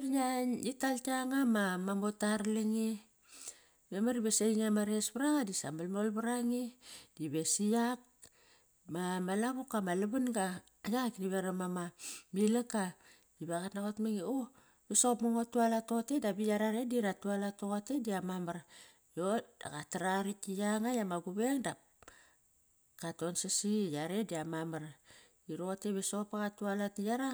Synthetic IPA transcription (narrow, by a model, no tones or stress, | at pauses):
ɾɲaitaltaŋamamamotaɾliŋi | memaɾibesejŋamaɾesbaɾaɣadisa̰mbalmolbaɾaŋid̥iβe̞sijak̚ | mamalaβukːamaluβanɡaː | jaɣakiniβeɾamamamilaka | iβaɣatnaɣotmaŋio | βisopmaŋotːualato̞tedabijaɾaɾediɾatualatoɣote̞diamamaɾ | jod̥a̰ɣataɾaɾikijaŋajamaɡuβeŋdap | kato̞nsasijaɾediamamaɾ | iɾoteβisopaɣatualatijaɾa